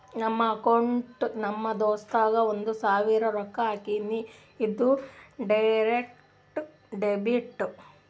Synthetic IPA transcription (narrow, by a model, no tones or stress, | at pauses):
nɐmːɐːkɐwɳʈnɐmːɐd̪oːst̪aːɡɐond̪usaːʋiːɾɐɾɔkːɐaːkinːiː | d̪ːuɖɐjɾek | ʈ | ɖebiʈː